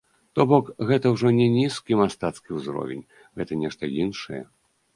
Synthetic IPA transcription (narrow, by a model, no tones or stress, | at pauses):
t̪ɔbɔkɣɛt̪ɐwʐɔnʲɛnʲiskʲimast̪at̪skʲiwzɾɔ̰vʲɛ̰nʲ | ɣɛt̪ɐnʲɛʂt̪ɐinʂɐjɛ̰